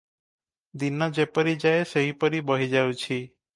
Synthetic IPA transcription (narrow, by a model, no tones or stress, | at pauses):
d̪inːɔd͡ʒepəɾid͡ʒaeseɦipəɾibəɦid͡ʒaũt͡ʃʰi